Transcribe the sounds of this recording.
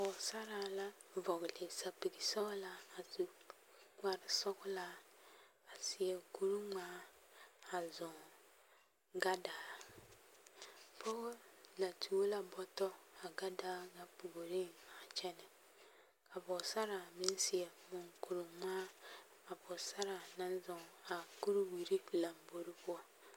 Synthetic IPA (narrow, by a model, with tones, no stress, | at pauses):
pɔ˨sa˦ɾa˨la˦ | vɔ˨ɡle˨sa˨pi˨ɡi˨sɔ˦la˨a˨tu˨ | ŋ͡ma˨ɾɪ˨sɔ˦kʊ˦la˨ | a˨si˨ɛ˨ku˦ɾu˦ma˦ | a˨zʊ̃˨ | ɡa˦da˨ | pʰo˦la˨tʰu˨wo˦la˦bɔ˦tɔ˦a˨ɡa˦daː˦ɡa˦pu˨ɡo˨ɾi˦˨a˨t͡ʃɛ˦nɪ˨ | ka˨bɔ˨sa˦ɾa˨mi˦n˦si˨e˨mu˨ŋku˨ɾu˨maː˦ | a˨bɔ˨sa˦ɾa˨na˦n˦zʊ˨ŋa˨ku˦ɾu˦wi˨ɾi˦la˨mbo˨ɾi˦bu˦a˦